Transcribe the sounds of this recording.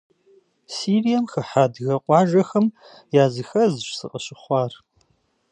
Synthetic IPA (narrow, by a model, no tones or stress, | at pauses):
siːrijɐmxɨħaːdɣɐqʷʼɑːʒɐxɐm | jaːzɨxɐzɨɕsɨ̰qʼɐɕɪχʷɑːr